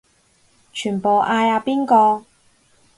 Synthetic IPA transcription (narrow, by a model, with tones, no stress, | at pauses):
t͡ʃʰyː˨˩npo˨wʔaː˧jaː˨˧piː˥nkɔː˧